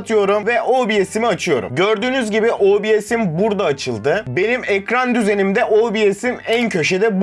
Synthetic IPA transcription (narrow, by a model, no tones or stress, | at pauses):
t̪ʰɯjo̞ɾumvɛʔobijesimiat͡ʃʰɯjo̞̰ɾṵmɟøɾd̪yːnyzɟibiʔobijesimbuɾd̪aːt͡ʃʰɯlˠd̪ɯbe̞nimɛcɾand̪yze̞nimd̪ɛʔobijesimæncʰø̞ʃe̞d̪ɛb